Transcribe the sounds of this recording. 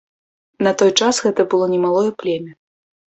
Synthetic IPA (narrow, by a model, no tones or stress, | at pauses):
nɐt̪ɔjt͡ʂasɣɛt̪ɐbɨlˠɔnʲɛmalˠɔjɛplʲemʲɛ